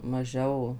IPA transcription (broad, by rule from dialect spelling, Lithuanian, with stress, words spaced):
mɐˈʒʲɛʊ